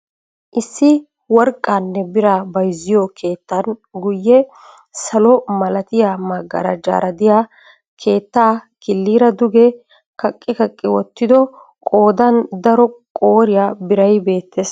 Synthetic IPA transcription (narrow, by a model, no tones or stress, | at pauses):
ʔɪsːɪ | wɔɾkʼːaːnːɛbɪɾaːbɐjzɪjɔkʰe̞ːt̪ːɐnɡʊjːɛ | sɐlɔmɐlɐt̪ɪjaːmɐɡːɐ̰ɾɐd͡ʒa̰ːɾɐd̪ɪja | kʰe̞ːt̪ːaːkɪlːiːɾɐd̪ʊɡɛ | kɐkʼːɪkɐkʼːɪwɔt̪ːɪd̪ɔ | kʼo̞ːd̪ɐnd̪ɐɾɔkʼoːɾɪjabɪɾɐjbe̞ːt̪ːeːs